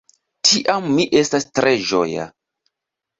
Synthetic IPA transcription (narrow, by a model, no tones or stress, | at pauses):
tʰiʔamːiʔe̞stastɾeʒo̰ja̰